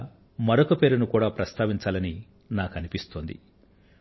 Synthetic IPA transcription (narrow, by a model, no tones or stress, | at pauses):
mɐɾokɐpe̞ːɾunukuːɽaːpɾɐst̪ʰaːʋiɲt͡ʃaːlɐni | naːkɐnipist̪oːnd̪ḭ